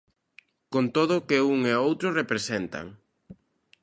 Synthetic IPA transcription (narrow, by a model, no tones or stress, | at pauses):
kont̪oðʊkɪuŋeowt̪ɾʊrepɾesent̪ɐ̰ŋ